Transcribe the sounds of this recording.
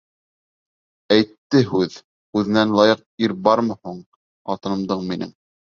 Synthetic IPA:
æjt̪ːɘɦʉð | ʉðɘ̆nænlˠɑjɤq̚iɾbɑɾmɤhuɴ | ɑt̪ɤ̆nɤ̆md̪ɤɴminɘ̰ŋ

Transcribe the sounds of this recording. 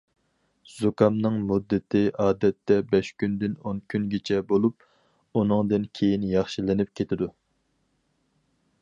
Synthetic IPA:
z̥okʰɑmnɨŋmud̪ːɪt̪ʰɪʔɑːd̪ɛt̪ːɛbɛʃkʲynd̪ɪnonkʲʰynɡʲet͡ʃʰɛbolˠup̚ | unɨŋd̪ɨnkʲʰejinjɑχʃilɪnɪp̚kʲʰet̪ʰɪd̪u

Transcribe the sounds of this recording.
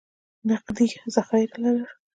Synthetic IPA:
naqd̪izaxajɾalaɾə

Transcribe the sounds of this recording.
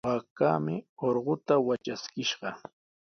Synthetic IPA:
akaːmɪoɾɢʊt̪awat͡ʃaskɪʃɢɑ

